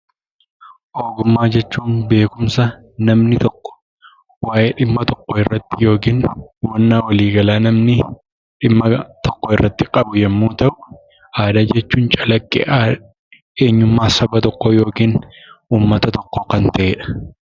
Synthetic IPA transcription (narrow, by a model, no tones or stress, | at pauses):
ʔoːɡʊmːaːd͡ʒɛt͡ʃːuːnbe̞ːkʊmsɐ | nɐmnɪt̪ɔkːɔ̥ | waːʔeːᶑɪmːɐt̪ɔkːoɪrːɐt̪ːɪjo̞ːkiːnwɐnːaːwɐliːɡɐlaːnɐmnɪ | ᶑɪmːɐt̪ɔkːɔɪrːɐt̪ːɪkʼɐbʊjɛmːuːt̪ɐʔʊ | ʔaːd̪aːd͡ʒɛt͡ʃːuːnt͡ʃʼɐlɐkʼːḛː | eːɲːʊmːaːsɐbɐt̪ɔkːojo̞ːkiːn | uːmːɐt̪ɐt̪ɔkːokɐnt̪ɐʔeːᶑɐ̥